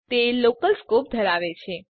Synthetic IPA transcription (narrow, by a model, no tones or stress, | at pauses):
t̪elokəlskop̚d̪ʱəɾaʋet͡ʃʰe